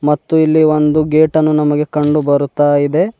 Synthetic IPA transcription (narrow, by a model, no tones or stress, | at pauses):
mɐt̪ːuilːiʋo̞nd̪uɡeːʈɐnːunɐmɐɡe̞kɐɳɖubɐɾut̪aːjid̪e̞